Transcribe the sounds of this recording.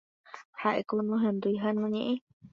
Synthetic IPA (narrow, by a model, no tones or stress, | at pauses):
haʔekonõɦẽnd̪uiɦanũɲẽʔẽ